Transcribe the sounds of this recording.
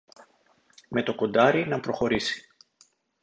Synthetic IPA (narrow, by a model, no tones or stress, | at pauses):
me̞t̪o̞kond̪ɐɾinɐpɾo̞xo̞ɾisi̥